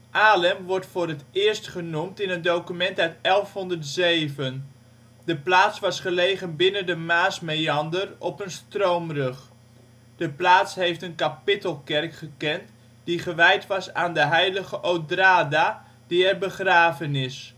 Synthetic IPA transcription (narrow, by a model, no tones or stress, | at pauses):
ʔaːləmʋɔɹtfʊːrətɪːɹstχənumtɪnəndowkymɛntœɥtɛlˠfɦɔndərtzejvən | dəplaːsʋɑsχəlejɣənbɪnəndəmaːsmejɑndərɔpənstrowmrɵχ | d̥əplaːtsɦejftənkapɪtəlˠkɛrkχəkɛnt | d̥iχəʋɛjtʋɑsaːndəɦɛjləɣəʔowdraːda | diɛrbəχraːvənɪs